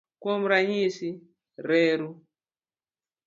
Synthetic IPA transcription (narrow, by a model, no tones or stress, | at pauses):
komɾaɲisi | ɾɛːɾu